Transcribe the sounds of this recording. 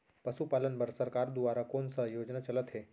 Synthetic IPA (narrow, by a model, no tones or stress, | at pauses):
pəsupaːlənbəɾsəɾkaɾd̪uʋaːɾakoːnsəjoːd͡ʒnat͡ʃɐlət̪ɦe